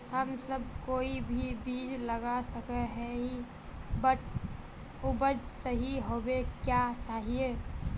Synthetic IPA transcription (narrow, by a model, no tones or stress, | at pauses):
həmsəbkoːibʱibiːd͡ʒləɡasəkɛɦɛi | bəʈʰ | ubəd͡ʒsəɦiɦobekjat͡ʃaːɦie